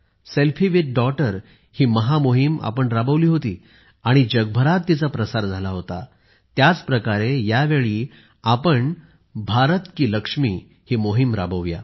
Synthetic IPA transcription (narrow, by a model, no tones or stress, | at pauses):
selfʰiʋit̪̚ɖɔʈəɾ | hiːməɦamoɦima̰pəɳɾabəʋliːɦot̪iː | aɽ̃id͡ʑəɡ̚bʱəɾat̪ːit͡sapɾəsaɾd͡zʱalaɦot̪a | t̪jat͡spɾəkaɾejaʋeɭiː | apəɳ | bʱaɾət̪kiːləkʂmḭː | hiːmoɦimɾabəʋja̰